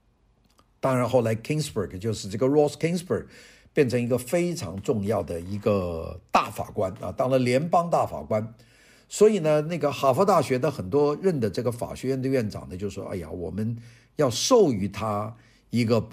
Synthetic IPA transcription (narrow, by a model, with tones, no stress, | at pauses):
t̪ɑ˥ŋɻa˧˥nxo˥˩ʊla˧˥ɪkʰɪ˥ŋsbə˥˩ɡt͡ɕjo˥˧ʊʂɻ̩˥˧ʈ͡ʂɤ˥˩ɡə˩ɻɔ˥˩skʰɪ˥ŋsbə˥˩ɡ | pjɛ˥˩nʈ͡ʂʰɤ˧˥ŋi˧˥ɡə˧fe˥ɪʈ͡ʂʰɑ̰˧˥ŋʈ͡ʂʊ˥˧ŋjɑ˥˩ʊd̪ə˩i˧˥ɡə˧t̪a̰˥˩fa̰˨˩kwa˥nə̰˧t̪ɑ˥ŋlə˨ljɛ˧˥npɑ˥ŋt̪a˥˩fa̰˨˩kwa˥n | swɔ˧˥i˨˩nə˦na˥˩ɡə˩xa˨˩fɔ˥t̪a˥˩ɕɥɛ˧˥d̪ə˧xə˨˩nt̪wɔ˥ɻə˥˩nd̪ə˩ʈ͡ʂɤ˥˩ɡə˩fa̰˨˩ɕɥɛ˧˥ɥɛ˥˧nd̪ə˧ɥɛ˥˩nʈ͡ʂɑ̰˨˩ŋd̪ə˦t͡ɕjo˥˧ʊʂ̩˥ʂɔ˥ʔa̰˥˩ɪja̰˨˩wɔ̰˨˩mə˦n | jɑ˥˧ʊʂo˥˩ʊy˧˥t̪ʰa˥ | i˧˥ɡə˧